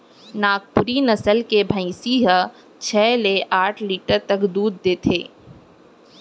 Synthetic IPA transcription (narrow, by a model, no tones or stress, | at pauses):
naːk̚puɾinɐsəlkebʱə̃ĩsiːɦə | t͡ʃʰɛːleʔaːʈʰliːʈəɾt̪ɐkd̪uːd̪̚ːeːt̪ʰeː